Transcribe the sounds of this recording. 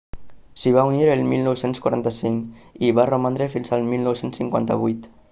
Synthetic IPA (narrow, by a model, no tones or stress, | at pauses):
siβ̞auniɾəlˠmilˠnɔwsenskwaɾa̰nt̪əsiŋiβaromand̪ɾefinzalˠmilˠnɔwsensːiŋkwa̰nt̪ə̰βujt̪